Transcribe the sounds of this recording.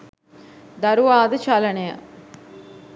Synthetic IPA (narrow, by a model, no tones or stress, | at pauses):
d̪ɐɾuʋaːd̪ɐt͡ʃalɐnejɐ̰